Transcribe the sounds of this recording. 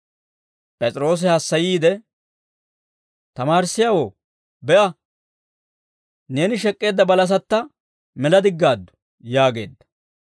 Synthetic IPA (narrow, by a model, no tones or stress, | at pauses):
pʼɛt͡sʼɾo̞ːs̬ɪhɐsːɐjiːd̪ɛ | t̪ɐmaːɾsːɪjawoː | bɛʔɐ | ne̞ːnɪʃɛkʼːe̞ːd̪ːɐbɐlɐs̬ɐt̪ːɐ | mɛlɐd̪ɪɡːaːd̪ːʊ̥ | jaːɡe̞̰ːd̪ːɐ̥